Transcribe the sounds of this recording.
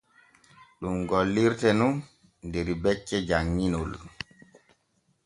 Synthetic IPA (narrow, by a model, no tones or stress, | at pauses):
ɗumɡɔlːiɾtɛnun | dɛɾibɛt͡ʃːɛd͡ʒaŋːinol